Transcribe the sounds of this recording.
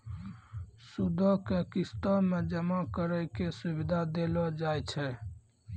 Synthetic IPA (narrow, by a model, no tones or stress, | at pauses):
sud̪ʱɔkekist̪ɔmẽd͡ʒəmakəɾəkesubid̪ʱad̪elɔd͡ʒaːjt͡ʃʰɛ